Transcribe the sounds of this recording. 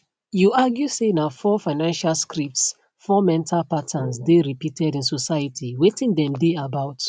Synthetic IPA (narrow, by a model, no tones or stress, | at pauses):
juaɡjusenafɔfaɪnãnʃalskɹip̚ts | fɔmɛ̃ntʰalpatʰãnsdeɹipitʰɛdĩnsɔsajatʰiwetĩndɛ̃mdeabaʊt